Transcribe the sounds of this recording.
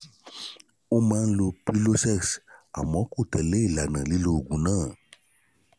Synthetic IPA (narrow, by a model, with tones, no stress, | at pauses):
o˦mã˦n̩˦lo˨pli˦lo˦sɛ˦ksa̰˨mɔ̃˨˦ko˦˨t̪ə˨le˦˨la˨nə̃˨li˦lo˨ɡũ˨nã˦